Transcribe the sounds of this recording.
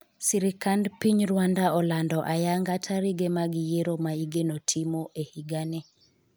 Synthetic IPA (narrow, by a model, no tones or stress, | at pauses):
siɾikandpiɲɾwandaɔlandɔʔajaŋɡatʰaɾiɡemaɡijeɾomaiɡenotʰimoʔehiɡanɛ